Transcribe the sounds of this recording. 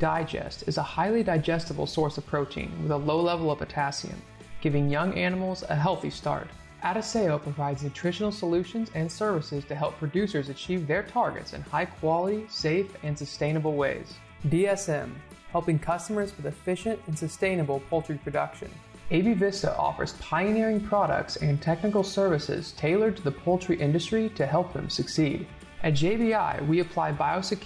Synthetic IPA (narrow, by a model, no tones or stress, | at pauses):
d̥aɪd͡ʒɛ̰stɨzəhaɪlˠidaɪd͡ʒɛstəbl̩ˠsɔɹsʌv̥pʰɹ̥oʊtʰḭ̃nwɨðəloʊlɛvl̩ˠʌvɨtʰæsḭɨ̰̃m | ɡ̥ɪvɪ̃ŋjʌ̃ŋʔænəml̩ˠzə̰ɦɛlˠθḭstɑ̰ɹt | ʔæɾɨseɪoʊpʰɹ̥əvaɪdzɨtʰɹ̥ɪʃɨnl̩ˠsəlʉʃɨ̃nzɨ̃nsɜ˞vɨsɪz̥tʰɨɦɛlˠpʰɹ̥ɨdʉsə˞zɨt͡ʃʰivðə˞tʰɑɹɡɨ̰tsɨ̰̃nhaɪkʰw̥ɑlˠəɾiseɪfɨ̃nsɨstẽɪ̃ñəbl̩ˠweɪz̥ | biɛsɛ̃m | hɛlˠpɪ̃ŋkʰʌstəmə˞z̥fəðɨfɪʃɨ̃ntɨ̃n̩sɨstẽɪ̃nəbl̩ˠpʰʌlˠtɹ̥ipʰɹ̥ɨdʌ̰kʃɨ̰̃n | eɪbivɪsə̰ʔɔ̰fə̰˞z̥pʰaɪɨnɪɹɪ̃ŋpʰɹ̥ɑɾə̰k̚tsɨ̃ntʰɛk̚nɨkl̩ˠsɜ˞vɨsɪ̰z̥tʰeɪlˠə˞tʰɨðəpʰʌlˠt͡ʃɹ̥iʔɪ̃ndɨstɹ̥iɾɨɦɛlˠp̚ðɨ̰̃msɨksiɾ | ʔɨt̚d͡ʒeɪbiaɪwiɨpʰl̥aɪbaɪoʊsɨkʰ